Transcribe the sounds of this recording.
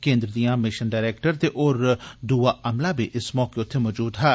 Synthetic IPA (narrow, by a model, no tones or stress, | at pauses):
kẽːnd̪ɾəd̪ijãːmɪʃənɖaːɾɛːk̚ʈəɾt̪eʔoːɾd̪uːaːʔəmlaːbiːʔɪsmɔːkeʊt̪ʰːemɔːd͡ʒuːd̪ɦɛː